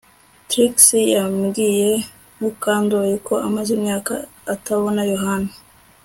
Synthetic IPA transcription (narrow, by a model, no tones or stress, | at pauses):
t̪ɾiksijamɡije | nukaːnd̪ojekʰo̞ʔamazimɲaːkaː | taβo̞najoɦaːna